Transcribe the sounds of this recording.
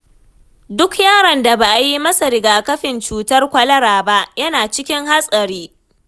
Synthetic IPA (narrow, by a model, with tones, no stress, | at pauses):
dʊ˦kjaː˦ɽɐ˨nda˨baː˨ʔa˨ji˦mɐ˦sa˨ɾɪ˨ɡaː˨kɐ˦ɸɪ˨nt͡ʃuː˨tɐ˦rkʷɐ˦lɐ˦ɾaː˨ba˦ʔjɐ˦naː˨t͡ʃɪ˦kʲɪ˦ŋɦa˦sʼɐ˨ɾiː˦